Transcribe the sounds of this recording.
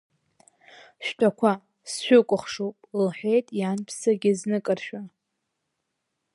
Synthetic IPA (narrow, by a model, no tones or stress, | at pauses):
ʃᶣtʰʼakʷʰa | sʃʷᶣʏkʷʼʊχʂowpʼlħʷᶣejtʼjanpʰsaɡʲɪznɨkʼɨrʃᶣa